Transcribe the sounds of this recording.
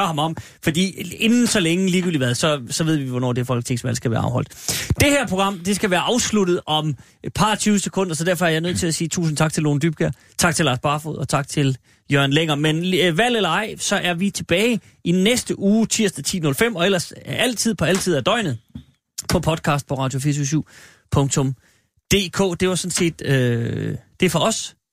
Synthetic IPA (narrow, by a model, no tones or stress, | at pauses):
ɐhɑmɒ̽m | fɒd̥ḭːe̝nn̩sɒ̽leŋəliːɡy̰ːliʋæðˠsɒ̽sɒʋe̝ð̞̰ˠʋiʋɒnɒ̰ːd̥e̝fɒ̽l̰ɡ̥̚t͡sʰe̝ŋ̰sʋæl̰sɡ̥æʋæːɐɑ̈ʊɒ̽l̰d̥d̥e̝hæɐ̰pʰʁo̝ɡ̥ɑ̈m̰d̥e̝sɡ̥æʋæːɐʔɑ̈ʊslud̥ð̩ˠʔɒ̽m | pʰɑ̈t͡sʰyːʊəsekʰɔ̽n̰d̥ɐsɒ̽dæɐfɒ̽æɐjɑ̈ɪnøð̞̰ˠt͡sʰe̝læsiːt͡sʰṵːs̬n̩t͡sʰɑ̈ɡ̥t͡sʰelːo̝ːnd̥yb̥̚ɡ̥æɐ | t͡sʰɑ̈ɡ̥t͡sʰe̝lɑ̈ːsb̥ɑ̈ːfo̰ð̩̰ˠɒ̽t͡sʰɑ̈ɡ̥̚t͡sʰe̝l | jøɐnleŋɐmenʋæl̰elɐɑ̈ɪ̰sɒ̽ʔæɐʋit͡sʰe̝b̥ɛːɪ | inesd̥əʔuːt͡sʰiɐ̰sd̥æt͡sʰḭːnɔ̽lfem̰ɒ̽elɐsæl̰t͡sʰið̞̰ˠpʰɒ̽æl̰t͡sʰiðˠæɐd̥ɒ̽ɪ̰nð̩ˠ | pʰɒ̽pʰɒ̽d̥kʰɑ̈ːsd̥̚pʰɒ̽ʁɑ̈ːd̥jo̝fḭːɐsyɐs̬yʊ̰ | pʰɔ̽ŋt͡sʰɔ̽m | d̥e̝̰ːkʰɔ̰ːd̥e̝ʋɑ̈sɒ̽nse̝̰ːd̥ø | d̥e̝fɒ̽ɒ̽s